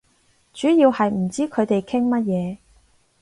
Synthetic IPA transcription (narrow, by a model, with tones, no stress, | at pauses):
t͡ʃyː˨˥jiː˧whɐ˨jm̩˨˩t͡siː˥kʰɵ˨˧ɥt̪e˨jkʰɪ˥ŋmɐ˥t̚jɛː˨˧